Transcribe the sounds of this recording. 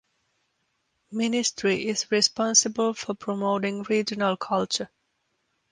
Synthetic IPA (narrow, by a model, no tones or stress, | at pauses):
mɪnɪsʈʰɾiʔɪzɹɪspɔ̃nsɪbəlfɔpʰɾɔmoːʈɪ̃ŋɾiːd͡ʒənəlkʰʌlt͡ʃə